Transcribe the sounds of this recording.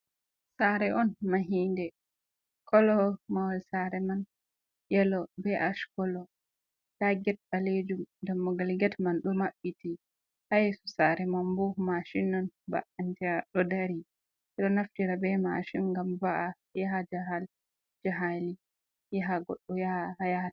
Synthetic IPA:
saɾɛɔnmaɦindɛ | kʰɔlɔmawalsaɾɛman | jɛlɔbɛʔaʃkɔlɔ | taɡɛt̚ɗaled͡ʒumdamːɔɡalɡɛtmanɗɔmaɓːiti | hajɛsusaɾɛmambumaʃinːɔnba̰ʔantiaɗɔdaɾi | ɛɗɔnaftiɾabɛma̰ʃinɡamvaʔa | jaɦad͡ʒaɦal | d͡ʒaɦali | jaɦaɡɔ̰ɗːɔjaahajat

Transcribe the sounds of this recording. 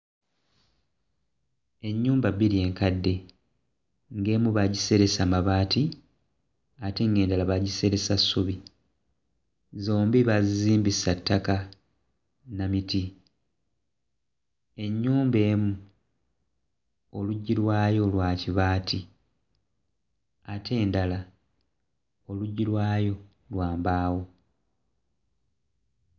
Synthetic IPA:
e̞ɲːuːmbaβiɾie̞ːŋkadːe̞ | ŋɡe̞ːmuβaɟise̞ɾe̞samaβaːti | ateŋɡe̞ːndalaβaɟise̞ɾe̞sasːuβi | zoːmbiβaziziːmbisatːaka | namiti | e̞ɲːuːmbe̞ːmu | oluɟːilwaːjo̞lwaːciβaːtʰi | atʰe̞ːndala | o̞luɟːilwaːjo̞ | lwaːmbaːwo̞

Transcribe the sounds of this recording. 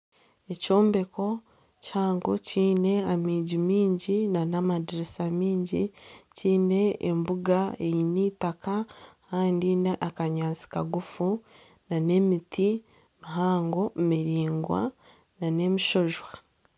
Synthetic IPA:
eco̞ːmbe̞ko̞ | chaːŋɡociːne̞amiːɟimiːɲɟinanamadiɾesamiːɲɟiciːne̞ːmbuɡaejiniːtakakaːndineʔakaɲaːzi̥kaɡufu | nane̞mitʰi | miɦaːŋɡo̞miɾiːŋɡwa̰ | nane̞miʃo̞ʒwa

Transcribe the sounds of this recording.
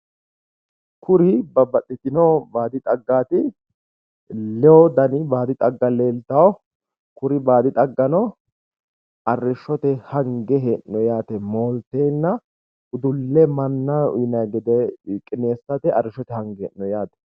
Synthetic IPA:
kʊɾɪbɐbɐt̪ʼːɪt̪ɪnɔbaːd̪ɪt̪ʼɐɡːaːt̪ɪ | lɛwɔd̪ɐnɪbaːd̪ɪt̪ʼɐɡːɐleːlt̪ɐwɔ | kʊɾɪbaːd̪ɪt̪ʼɐɡːɐnɔ | ɐrːɪʃːɔt̪ɛhɐŋɡɛɦeʔnɔjaːt̪ɛmoːlt̪eːnːɐ | ʊd̪ʊlːɛmɐnːɐʊ̰ɪnɐɡɛd̪ɛkʼɪneːsɐt̪ɛɐrːɪʃɔt̪ɛhɐŋɡɛ̰ʔnɔjaːt̪ɛ̥

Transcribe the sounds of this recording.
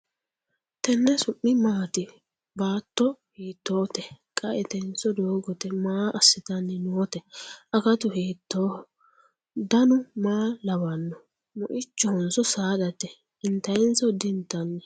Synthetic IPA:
t̪ɛnːɛsʊʔːɪmaːt̪ɪ | baːt̪ːɔhiːt̪ːoːt̪ɛkʼɐɛt̪ɛnsɔd̪oːɡɔt̪ɛmaːʔɐsːɪt̪ɐnːɛnʊɔt̪ɛɐkɐt̪ʊɦeːt̪ːoː | d̪ɐnʊmaːlɐwɐnːɔ | mʊ̰ʔɪt͡ʃːɔhɔnsɔsaːdɐt̪ɛ | ɪnt̪ɐjɪnsɔd̪ɪnt̪ːɐnːɛ

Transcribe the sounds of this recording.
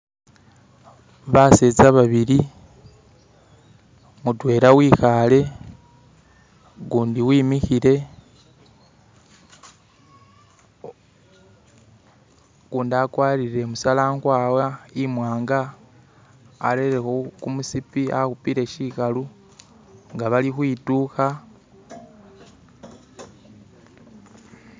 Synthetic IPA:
βaseːzaβaβiɾi | mutwe̞ːɾawiːxale̞ | ɡuːndiwiːmixiɾe̞ | kuːndakwaːɾiɾe̞musalaːŋɡwaːwaimwaːŋɡa | ɾeɾexokumusipia̰xupiɾe̞ʃikalu | ŋɡaβalixwiːtuːxa

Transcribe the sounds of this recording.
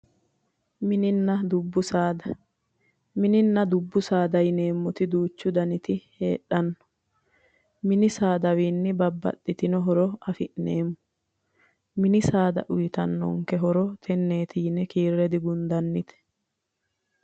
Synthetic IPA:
mɪnɪnːɐd̪ʊbːʊsaːd̪ɐ | mɪnɪnːɐd̪ʊbːʊsaːd̪ɐjɪne̞ːmːɔt̪ɪd̪uːt͡ʃːʊd̪ɐnɪt̪ɪhe̞̰ːᶑːɐnːɔ̥ | mɪnɪsaːd̪ɐwiːnːɪbɐbːɐ̰tːɪt̪ɪnɔɦɔɾɔɐfɪʔneːmːʊ̥ | mɪnɪsaːd̪ɐ̰ʔʊjɪt̪ɐ̰nːɔ̰ŋkɛɦɔɾɔt̪ʰɛnːe̞ːt̪ɪjnɛkiːrːɛd̪ɪɡʊnd̪ɐnːɪt̪ɛ̥

